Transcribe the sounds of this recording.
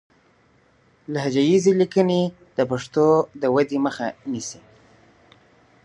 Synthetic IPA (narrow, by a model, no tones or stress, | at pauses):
lahad͡ʒajizelikəne | d̪̥əpaʂt̪od̪əwad̪iməxa̰nisi